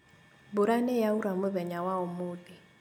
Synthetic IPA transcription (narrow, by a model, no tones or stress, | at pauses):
buɾanɛjauɾamuβɛɲawaɔmudi